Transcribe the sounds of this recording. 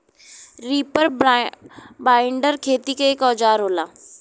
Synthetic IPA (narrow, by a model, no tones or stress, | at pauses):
ɾiːpəɾ | baːɪɳɖəɾkʰeːt̪ikekɔːd͡ʑaːɾɦoːlaː